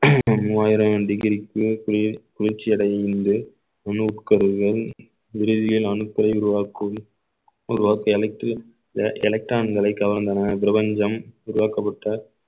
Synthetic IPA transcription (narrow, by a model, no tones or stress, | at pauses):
muːaːjɪɾɐmɖɪɣɪɾɪkːɯkʊɾɪt͡ʃːɪɐɽɐɪnd̪ɯ | ɐnɯʊʈkɐɾɯɣɐɭ | ʋɪɾɯðɪɣɐlɪlɐnɯkːɐlɐɪʊɾʊʋaːkɯm | ʊɾʊʋaːkːɐɛlʈ | ʔɛlɐk̚ʈɾaːnɡɐɭɐɪkːɐʋɐɾɐnd̪ɐnap̬ɪɾɐbɐɲd͡ʒɐmʊɾʊʋaːkɐp̬ːɐʈːɐ